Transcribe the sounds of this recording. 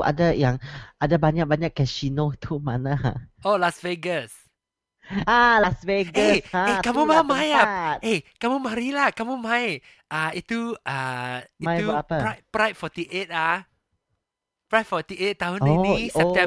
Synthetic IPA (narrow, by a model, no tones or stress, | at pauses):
ʔa̰dajãŋʔadabaɲak̚baɲakːɛsinot̪umanaolasveɡəs | alasveɡəaekamumamãjat̚ʔekamumaɾilakamumãj | ʔait̪ːuʔaimãjuaaəpɹapɹajt̚fɔt̪iʔet̚a | pɹajtfɔt̪iet̚tːaɦũnosɛp̚t̪ɛ̃